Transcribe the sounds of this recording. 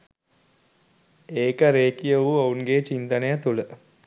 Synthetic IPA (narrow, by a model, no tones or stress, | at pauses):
eːkəɾeːkijəʋuounɡeːt͡ʃint̪ənəjat̪ulə